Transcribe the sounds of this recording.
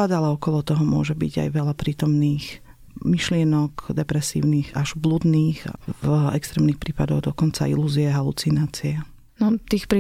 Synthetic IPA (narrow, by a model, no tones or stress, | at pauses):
ad̪alaɔkɔlɔt̪ɔɦɔmʊɔ̰ʒɛbḭɟa̰jʋɛʎapɾiːt̪ɔmniːx | miʃlɪɛnɔkd̪ɛpɾɛsḭːʊniːɣaʒblud̪niːx | ɛ̰kst̪ɾɛːmnixpɾiːpad̪ɔɣd̪ɔkɔnt͡sa̰ḭluːziɛɦalut͡sinaːt͡siɛ | nɔt̪iːxpɾ